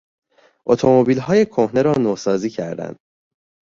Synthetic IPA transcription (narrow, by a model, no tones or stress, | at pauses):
ʔot̪ʰo̞mo̞biːlɦɒːje̞kʰohne̞ɾɒːnoːsɒːziːcʰæɾd̪æ̰nd̪̥